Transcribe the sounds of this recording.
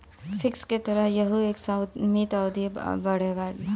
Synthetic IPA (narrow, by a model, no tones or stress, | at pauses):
fʰɪksket̪ɐɾəɦjɐɦueːksaw̪mit̪aʊd̪ibɐɽ̤eʋaːɾ